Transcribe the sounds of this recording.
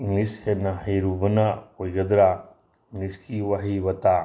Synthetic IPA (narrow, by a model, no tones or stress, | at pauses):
iŋlishetnɐɦajɾubɐnɐojɡɐd̪ɾa | iŋliskʰiwaɦibɐt̪a